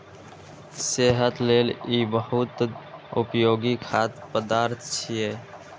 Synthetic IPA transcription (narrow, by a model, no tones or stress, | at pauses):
seːɦət̪leːliːbəɦʊt̪ʊpjoːɡikʰaːt̪pəd̪aːɾt̪ʰt͡ʃʰijeː